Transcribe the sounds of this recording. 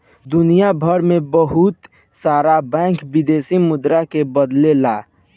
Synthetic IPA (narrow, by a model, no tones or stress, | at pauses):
d̪ʊnijabʱəɾmẽbəɦut̪ | saːɾabɛ̃ːŋkbid̪eːsimʊd̪ɾakebəd̪lelaː